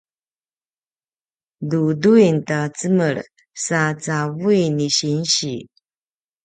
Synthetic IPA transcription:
duduintat͡səməɾ | sat͡savuiniɕinɕi

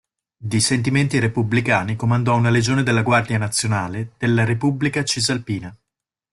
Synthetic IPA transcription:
d̪isent̪̬iment̪iɾepublikaːnikomand̪ɔunaled͡ʒoːned̪elːaɡward̪janat̪sːjonaːled̪̥elːaɾepublikat͡ʃizalpiːna

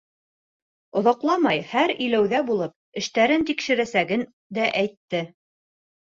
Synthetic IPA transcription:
ŏðɑqlˠɑmɑjhæɾɵ̆jlæwðæbulˠɤp̚ɘ̆ʃt̪æɾɘnt̪ikʃɘ̆ɾæsæɡɘn | d̪æʔæjt̪ːɘ

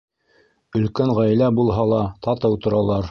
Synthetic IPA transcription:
ɵ̆lkæŋʁæjlæbulˠɦɑlˠɑt̪ɑt̪ɤwt̪ŏɾɑlˠɑɾ

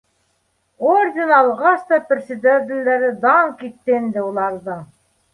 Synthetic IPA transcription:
orʲdʲɪnɑlˠʁɑst̪ɑprʲsʲɪd̪ʲed̪ʲɪ̆lʲd̪æɾɘd̪ɑŋkit̪ːend̪ɘulˠɑɾðɤ

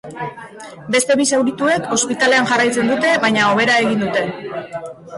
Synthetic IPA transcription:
be̞st̪e̞βisawɾit̪ue̞kʰo̞spit̪ale̞anʝarajt͡se̞nd̪ut̪e̞βajɲao̞β̞e̞ɾae̞ɣind̪ut̪e̞

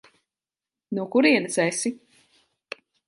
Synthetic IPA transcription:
nukuɾiɛnɨt̪sɛsi

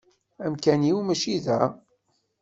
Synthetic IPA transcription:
æmkæniwmæʃiðæ

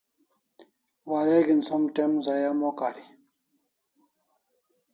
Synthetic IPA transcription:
waːɾeːɡinsɐmʈemzajamokaːɾi

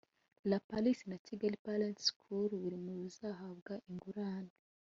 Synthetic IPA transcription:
lapalisinatiɡalipalentskʰuɾβuɾimuβuzaɦaβɡaʔiŋɡuɾaːne

